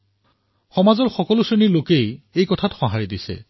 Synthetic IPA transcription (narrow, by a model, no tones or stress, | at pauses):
xɔmazɔɹxɔkɔlʊsonilokejejkɔtʰatxɔ̃ɦaɹidisɛ̰